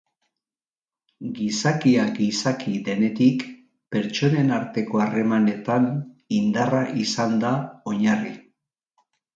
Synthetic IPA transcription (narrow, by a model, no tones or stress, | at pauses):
ɡisakiaɡisakiðe̞ne̞t̪ik | pe̞ɾt͡ʃo̞ne̞naɾt̪e̞ko̞are̞mane̞t̪anind̪araʔisand̪ao̞ɲari